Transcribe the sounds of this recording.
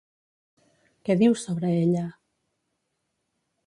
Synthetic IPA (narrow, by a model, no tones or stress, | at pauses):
keðiwsoβɾaeʎa